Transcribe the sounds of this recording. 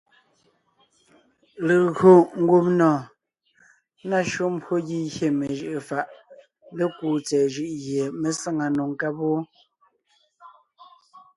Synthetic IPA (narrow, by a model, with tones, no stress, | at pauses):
lə˨ɣo˨ŋ̩˦ɡu˦pnɔ̃ː˨ | na˦˨ʃo˦m̩˦bwo˦ɣi˦ɣje˦˨me˨ʒɯ˦ʔfa˦˨ʔ | le˦kuː˨t͡sɛː˨ʒɯ˦ʔɣje˨me˨sa˦ŋa˨nu˨ŋ˨ka˦po˦